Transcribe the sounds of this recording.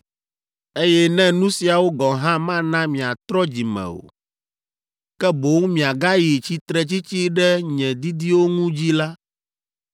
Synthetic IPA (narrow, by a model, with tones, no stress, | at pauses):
e˦jɛ˦nɛ̃˦nũ˦si˨a˨wo˦ɡɔ˨ɦã˦mã˦nã˦mĩ˨a˨t̪ɾɔ˦d͡ʑi˨mɛ̰̃˨o̰˨ | kɛ˦bo˨˦ŋ˦mĩ˨a˨ɡa˦ji˨t͡ɕi˦t̪ɾɛ˨t͡ɕi˦t͡ɕi˦ɖɛ˦ɲɛ̃˨d̪i˦d̪i˦wo˦ŋũ˦d͡ʑi˦la˦